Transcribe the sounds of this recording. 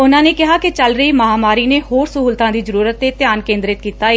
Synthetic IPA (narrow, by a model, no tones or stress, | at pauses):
ʊnãːneːkɪɦaːkɪt͡ʃəlɾəiːməɦaːmaːɾiːneːhoːɾsəɦuːlt̪ãːd̪iːzəɾuːɾət̪ːeːt̪jaːnkẽːnd̪ɾɪt̪̚kiːt̪aːeː